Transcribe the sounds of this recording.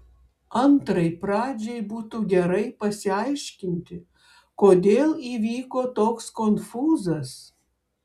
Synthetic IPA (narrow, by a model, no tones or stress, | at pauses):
ɐnt̪ɾɐɪpɾɑːd͡ʒʲɛjbuːt̪uːɡʲɛɾɐɪpɐsʲɪɐɪʃʲkʲɪnʲt̪ʲɪ | koːd̪ʲeːlˠiːʋʲiːkoːt̪oːkskonfuːzɐs